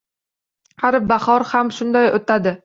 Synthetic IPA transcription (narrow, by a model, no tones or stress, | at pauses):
haɾbaχɒɾhamʃʊnd̪ajot̪ʰad̪ɪ